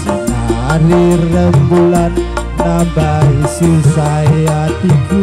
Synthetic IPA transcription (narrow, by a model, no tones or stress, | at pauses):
anirəŋbulanː | abaisisaeat̪iɡu